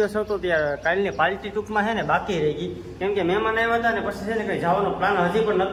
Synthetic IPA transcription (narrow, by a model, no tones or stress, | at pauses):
əsot̪ot̪jakalnepalʈiʈukmãɦenebakiɾəɦiɡi | kɛ̃mkemɛmanajʋaɦət̪anepəsit͡ʃʰenekaid͡ʒaʋanõplanɦəd͡ʒ̪ipəɳnət̪ʰ